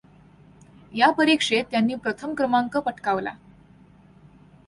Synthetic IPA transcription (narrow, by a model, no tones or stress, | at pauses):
japəɾikʂet̪ːjanːiːpɾət̪ʰəmkɾəmaŋkəpəʈkaʋla̰